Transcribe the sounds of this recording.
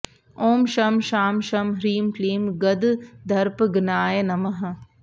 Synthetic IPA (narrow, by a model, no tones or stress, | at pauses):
oːmʃɐmʃaːmʃɐmɾiːmkliːmɡɐd̪d̪ʱɐɾpɡnaːjɐnɐmɐɦɐ